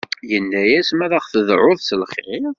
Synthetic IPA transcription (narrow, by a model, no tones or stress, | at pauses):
jənːæjæsmæðæχθəðʕʊðˤsəlχʁɪ